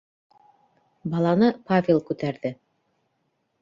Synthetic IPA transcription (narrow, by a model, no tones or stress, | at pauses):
bɑlˠɑnɤpavʲelˠkʉt̪æɾðɘ